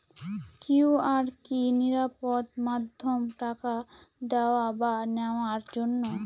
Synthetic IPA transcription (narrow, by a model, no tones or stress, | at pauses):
kiwaɾkiniɾapod̪mad̪ʱːomʈakad̪ɛoabanɛaɾd͡ʑonːo